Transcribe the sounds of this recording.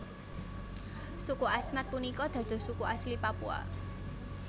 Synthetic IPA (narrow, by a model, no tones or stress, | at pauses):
sukuʔasmat̪̚punikɔd̪̥ä̤̥d̪̥ɔ̤sukuʔaslipapua̰